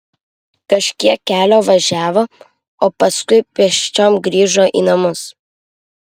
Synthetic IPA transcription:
kɐʃʲkʲiɛkːʲæːlʲoːʋɐʒʲæːʋoː | oːpɐskʊɪpʲiɛʃʲt͡ʃʲoːmɡɾʲiːʒoːʔḭːnɐmʊs

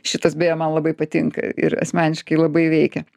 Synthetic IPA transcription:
ʃʲɪt̪ɐsbʲeːjoːmɐnlˠɐbɐɪpɐt̪ʲɪŋkɐ̰ɪ̰ɾɐ̰sʲmʲæːnʲɪʃkɐɪlˠɐbɐɪʋʲɛɪkʲɛ

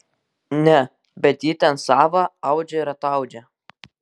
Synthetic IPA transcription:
nʲɛ | bʲɛt̪jiːt̪ʲɛnsɑːʋɐɐʊd͡ʒʲɛɪɾɐt̪ɐʊd͡ʒʲɛ

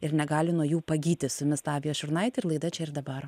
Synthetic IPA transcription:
ɪɾnʲɛɡɑːlʲɪnuɔjuːpɐɡʲiːt̪ʲɪsʊmʲɪst̪ɑːʋʲɪjoːʃʲʊɾnɐɪt̪ʲɪrlˠɐɪd̪ɐt͡ʃʲɛɪɾd̪ɐbɐr

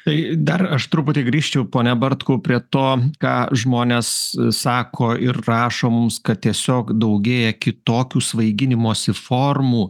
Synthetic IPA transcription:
t̪ɐɪd̪ɐrɐʃt̪ɾʊpʊt̪ʲɪɡɾʲiːʃʲt͡ʃʲɛʊpoːnʲɛbɐɾt̪koːpʲɾʲiɛt̪oːkɑːʒmoːnʲeːssɑːkʰoːɪrrɑːʃoːmʊmskɐt̪̚t̪ʲiɛsʲoːkd̪ɐʊɡʲeːjɛkʲɪt̪oːkʲuːsʋɐɪɡʲɪnʲɪmoːsʲɪfoːrmuː

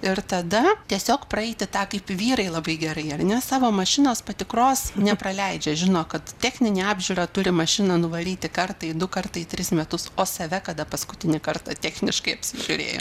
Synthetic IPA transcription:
ɪrt̪ɐd̪ɐt̪ʲiɛsʲoːkpɾɐɛɪt̪ʲɪt̪ɑːkɐɪpʋʲiːɾɐɪlˠɐbɐɪɡʲɛɾɐɪɐrnʲɛsɑːʋoːmɐʃʲɪnoːspɐt̪ʲɪkroːsnʲɛprɐlʲɛɪd͡ʒʲɛʒʲɪnoːkɐt̪tʲæːxʲnʲɪnʲiːɑːbʲʒʲʊːɾɐt̪ʊɾʲɪmɐʃʲɪnɐnʊʋɐlʲiːt̪ʲɪkɐrt̪ɐɪd̪ʊkɐrt̪ɐɪt̪ʲɾʲɪsmʲɛt̪ʊsoːsɐʋʲɛkɐd̪ɐpɐskʊt̪ʲɪnʲɪkɐrt̪ɐt̪ʲæːxʲnʲɪʃkɐɪɐpʲsʲɪʒʲʊɾʲḛːjo̰ː

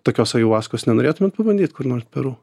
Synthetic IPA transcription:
t̪oːkʲoːsɐjuʊʋɑːskoːsnʲɛnoːɾʲeːt̪ʊmʲɛt̪pɐbɐnʲd̪ʲiːt̪kʊɾnoːrpʲɛɾu

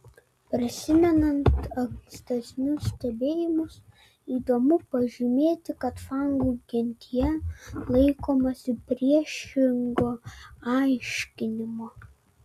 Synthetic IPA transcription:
pʲɾʲɪsʲɪmʲɛnɐnt̪ɐɡʲɪsʲt̪ɐzʲnʲʊssʲt̪ʲɛbʲeːjɪmʊs | iːd̪oːmʊpɐʒʲɪmʲeːt̪ʲɪkɐt̪fɑˑŋɡuɡʲɪnʲt̪ʲɪjɛlˠɐɪkoːmɐsʲɪpʲɾʲiɛʃʲɪŋɡoːɑˑɪʃʲkʲɪnʲɪmo

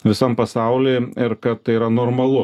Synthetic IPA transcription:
ʋʲɪsɐmpɐsɑʊlʲeːɪɾkɐt̪t̪ɐɪiːɾɐnoːrmɐlˠʊ

